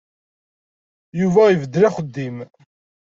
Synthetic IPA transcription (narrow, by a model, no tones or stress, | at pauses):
juvæjvəd̪ːɾæχəd̪ːim